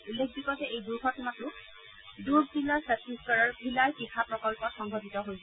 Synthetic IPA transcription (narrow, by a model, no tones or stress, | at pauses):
ulːekʰbikɔtɛʔejduɹkʰɔtumatʊ | duɹzilaɹsɛtiskɔɹɔɹbʱilajkixʰapɹɔkɔlpɔtxɔŋɡʱɔtitɔɦojsɛ